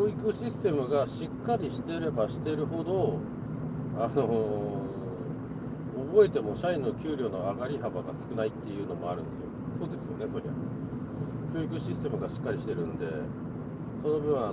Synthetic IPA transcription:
oːikɯ̟ɕisɨ̥t̪e̞mɯ̟ɡaɕikːaɾʲiɕi̥t̪e̞ɾe̞baɕi̥t̪e̞ɾɯ̟ɦo̞d̪o̞ | ano̞ | bo̞e̞t̪e̞mo̞ɕainːo̞kʲɯːɾʲo̞ːno̞̰aɡaɾʲiɦabaɡa̰sɨ̥kɯ̟nait̪ːe̞jɯ̟ːno̞mo̞̰a̰ɾɯ̟̃nd̪esɨjo̞̰so̞ːd̪e̞sɨjo̞̰ne̞so̞ɾʲeβa̰ | kʲo̞ːikɯ̟ɕisɨ̥t̪e̞mɯ̟ɡaɕi̥kːaɾʲiɕi̥t̪eɾɯ̟nd̪e̞̰ | so̞no̞bɯ̟̃ɰ̃a

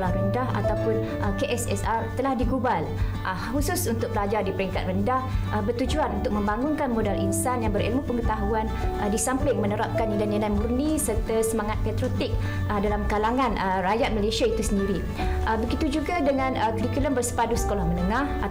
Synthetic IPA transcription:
lahrəndaha̰t̪awpʊn | ʔəkeʔɛsɛsart̪əlahdiɡubalʔə | husʊsunt̪ʊk̚pəlad͡ʒardipəɾiŋkat̪rəndahəbərt̪ud͡ʒuanunt̪ʊk̚mə̃mbaŋʊnkanmodalʔinsanjaŋbəɾḭlmupəŋət̪aɦuanədisampɪŋmə̃nəɾap̚kanədanəlajmurnisərt̪asəmaŋat̪̚pɛt̪ɾot̪ɪk̚ | ədalamkalaŋãnərajat̪̚məlesiait̪usəndiɾi | ʔəbəɡit̪ud͡ʒuɡadəŋãnəkəɾikuləmbərsə̥padusə̥kolahmənəŋãha

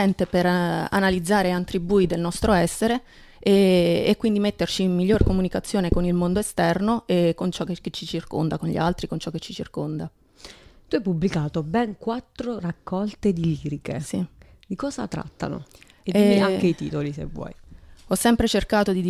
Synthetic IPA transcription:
ɛnt̪epera̰nalid̪zːaːɾeant̪ɾibuːid̪elnɔst̪ɾoɛsːeɾe | eːkːwind̪imet̪ːert͡ʃiːmːiʎːorkomunikat̪sːjoːnekonilmond̪oest̪ɛrnoʔekːont͡ʃɔkekːet͡ʃːit͡ʃirko̰nd̪akonʎḭalt̪ɾikont͡ʃɔkːet͡ʃːit͡ʃirkond̪a | t̪uajpublikaːt̪obɛŋkwat̪ːɾorakːɔlt̪ed̪iliːɾikḛsi | d̪ikɔːza̰t̪ɾa̰t̪ːa̰no̰ | edeaŋkeit̪ḭːt̪olisḛvːwɔ̰jɔsːɛmpɾet͡ʃerkaːt̪od̪id̪

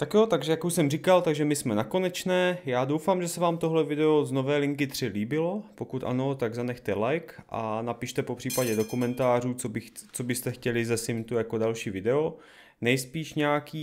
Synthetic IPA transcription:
t̪akjo̞t̪aɡʒɛjakuʃsɛmrikalt̪aɡʒɛmɪsmɛnako̞nɛt͡ʃnɛːjaːdo̞wfamʒɛsɛvaːmt̪o̞ɦlɛvɪdɛo̞zno̞vɛːlɪŋkɪt̪r̝̥ɪliːbɪlo̞po̞kut̪ʔa̰no̞t̪aɡzanɛxt̪ɛlajkʔa̰napiʃt̪ɛpo̞pr̥iːpaɟɛdo̞kumɛnt̪aːr̝uːt͡sobɪxt͡sobɪst̪ɛxcɛlɪzɛsɪmt̪ujako̞dalʃiːvɪdɛo̞ | nɛjspiːʃɲɛakiː

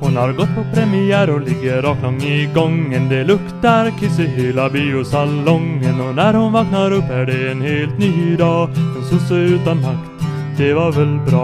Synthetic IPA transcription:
hʊnhɑɾɡɔt̪̚pʰɔpʰɾɛmɪæɾɔlɪɡːəɾɑːk̪lɑŋːɪɡɔŋːənd̪ɛlɵkt̪ɑɾkʰɪsəhylɑbiʊsɑlɔŋːənɔnæɾhʊnʋɑːknɑɾɔpːæɖɛenheːlt̪nyːd̪ɑːɔsɔsøːʉːt̪ɑnhɑkt̪ | d̪ɛʋɑɾʋɛlbɾɑː

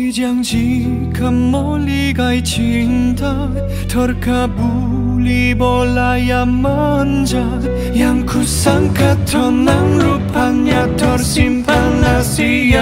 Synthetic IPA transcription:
d͡ʑaŋd͡ʑinkʰamːɔ | lːiɡajt͡ɕʰi | ntʰa | tʰʌɾkʰabu | libɔlajama | nd͡ʑa | jaŋkʰusaŋkʰatʰʌnːaŋɾopʰaɲːatʰʌɾɕimpʰanːasi

